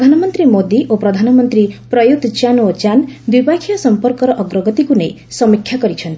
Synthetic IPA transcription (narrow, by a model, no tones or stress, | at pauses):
d̪ʱanɔmɔnt̪ɾimod̪iʔopɾɔd̪ʱanɔmɔnt̪ɾipɾɔjud̪t͡ʃanot͡ʃand̪wibakʰijɔsɔmpɔɾkɔɾɔʔɔɡɾɔɡɔt̪ikunej | sɔmikʰːjakɔɾit͡ʃʰɔnt̪i̥